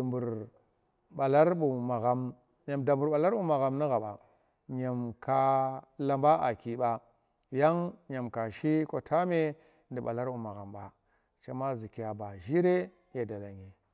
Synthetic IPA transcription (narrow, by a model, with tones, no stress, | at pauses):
bu˨ɾ | ɓa˨la˦ɾɓu˨ma˨ɣa˨˦m | ɲa˨mda˨mbu˨ɾɓa˨la˦ɾɓu˦ma˨ɣa˨mni˦ɣa˨ɓa̰˨ | ɲa˨mka˦la˨mba˦ʔa̰˨ki˨ɓa˦ | ja˦ŋɲa˨mka˨ʃi˦ko˦tʰa˦me˦ | ndi˨ɓa̰˨la˦ɾbu˨ma˨ɣa˨mɓa˨ | t͡ʃa˦ma˦zi˨ki˨ja˨ba˨ʒi˦ɾe˦ | ja˨da˨la˨ɲe˨